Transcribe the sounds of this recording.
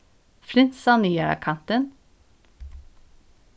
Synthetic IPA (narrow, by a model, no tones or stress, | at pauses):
fɾɪnsɑniaɾa̰kʰant̪ən